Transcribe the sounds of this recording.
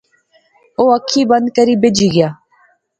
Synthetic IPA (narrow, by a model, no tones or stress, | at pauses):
oːəkʰːiːbənd̪̚kəɾiːbɪd͡ʒiːɡɪjaː